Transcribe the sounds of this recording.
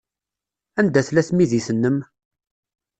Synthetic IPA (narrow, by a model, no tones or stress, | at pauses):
ænd̪æθlæθmiðiθənːəm